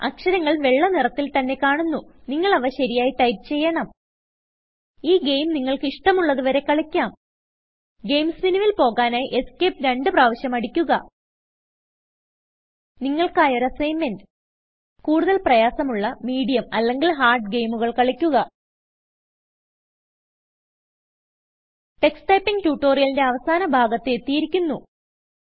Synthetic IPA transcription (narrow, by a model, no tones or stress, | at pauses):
ɐ̰kʂɐɾɐŋːɐɭʋe̞ɭːɐnirɐt̪ːilt̪ɐnːe̞kaːɳunːuniŋːɐɭɐʋɐɕɐɾijaːjiʈɐjpt͡ɕe̞jːɐɳɐm | iːɡejmniŋːɐɭkɨiʂʈɐmuɭːɐðuʋɐɾe̞kɐɭɐkʲːaːm | ɡejmsʋiniʋilpo̞ːɣaːnaːjiʔe̞skeːpɾeɳɖɨpraːʋɐɕjɐmɐɽikʲːuɣɐ | niŋːɐɭkaːjo̞ɾɐsejmːend | kuːɽuðɐlprɐjaːsɐmuɭːɐmiːɽijɐmɐlːe̞ŋɡilɦaːrɖɡe̞jmuɣɐɭkɐɭɐkʲːuɣɐ | ʈe̞ksʈɐjpːiŋɡtuːʈːo̞ːrijɐlinde̞ɐʋɐsaːnɐbʱaːɡɐt̪ːeet̪ːijiɾikʲːunːu